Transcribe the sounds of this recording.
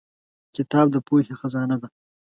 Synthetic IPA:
kɪt̪ɑːb̚d̪əpohexazɑːnad̪a

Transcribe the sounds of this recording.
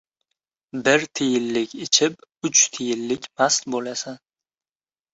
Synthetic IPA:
bɪɾt̪ʰɪjɪlːɪkʲɪt͡ʃʰɪpʊt͡ʃt̪ʰɪjɪlːɪkʲmast̪bolasan

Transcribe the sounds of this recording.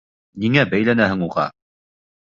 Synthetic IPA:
niŋæbæjlænæhɘŋuʁɑ̰

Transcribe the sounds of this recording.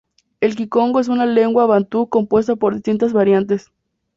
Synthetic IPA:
e̞lk̬iko̞ŋɡoes̬unaleŋɡwaβant̪uko̞mpwe̞s̬t̪apo̞ɾðist̪int̪azβaɾjant̪̬es

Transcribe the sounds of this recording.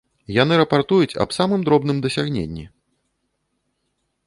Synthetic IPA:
jan̪ɨɾɐpart̪ujut͡sʲɐ̰bsamɨmd̪ɾɔbnɨmd̪ɐsʲaɣnʲḛnʲːḭ

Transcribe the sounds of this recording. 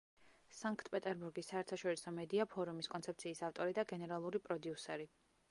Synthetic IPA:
saŋkʰt̪ʰpʼɛt̪ʼɛɾbuɾɡisːaɛɾt̪ʰaʃɔɾisɔmɛd̪iapʰɔɾumiskʼɔnt̪sɛp̚t̪sʰiːsaft̪ʼɔɾid̪aɡɛnɛɾalˠuɾipʼɾɔd̪iusɛɾi

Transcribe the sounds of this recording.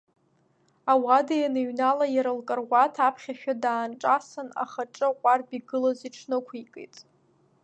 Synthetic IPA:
awadajanɨɥnalajaɾɨlkʼɨrwʷatʰapʰχʲaʃᶣadaːnʈ͡ʂʼasana̰χaʈ͡ʂʼɨqʷʼarbiɡɨlaziʈ͡ʂʰnɨkʷʰikʼḛjtʼ

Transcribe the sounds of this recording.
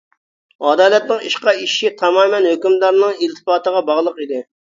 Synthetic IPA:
ɑd̪ɑːlɛt̪̚nɪŋḭʃqɑiʃit̪ʰɑmɑːmɛnhøkʲymd̪ɑɾnɨŋilt̪ʰɨ̥pɑːt̪əʁɑbɑʁlˠəqid̪ɪ

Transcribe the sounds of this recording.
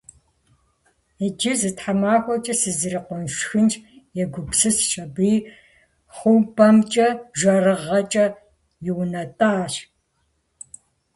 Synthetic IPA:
id͡ʒɪzɨtħamaːxʷɔt͡ʃʼɐsɨzɨɾiqʷʊnʃxɨnt͡ʃʼ | jɛɡʷʊpsɨsɕʼɐbiː | χʷuːbɐmt͡ʃʼɐʒʷɐrɨʁɐt͡ʃʼɐ | jɪwnɐtʼaːɕ

